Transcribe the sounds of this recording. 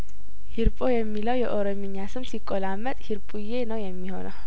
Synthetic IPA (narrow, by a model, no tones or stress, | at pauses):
hiɾpʼo̞jɛmːiləwjɛʔoɾomiɲːasɨmsikʼːolamːət̪ʼhiɾpʼuje̞nəwjɛmːiho̞nəw